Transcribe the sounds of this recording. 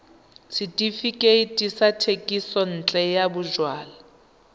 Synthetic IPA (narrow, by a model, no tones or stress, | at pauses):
sʰitʼifikʼeitʼisatʰekʼisɔn̩t͡ɬʼɛjabʊʒwaːla